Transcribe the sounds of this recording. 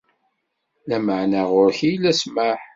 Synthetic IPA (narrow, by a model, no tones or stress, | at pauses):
læməʕnaʁʊɾçijlæsmaħ